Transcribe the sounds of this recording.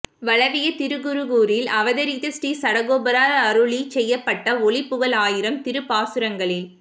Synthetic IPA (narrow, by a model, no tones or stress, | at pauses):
ʋɐɭɐʋɪjɐt̪ɪɾɯɣɯɾɯɣuːɾɪlɐʋɐðɐɾiðɐsʈisɐɽɐɣoːbɐɾaːɾɐɾɯɭit͡ʃɛjːɐpːɐʈːɐɔɭɪpːɯɣɐɭaːjɪɾɐmt̪ɪɾɯpaːsɯɾɐŋɡɐɭɪl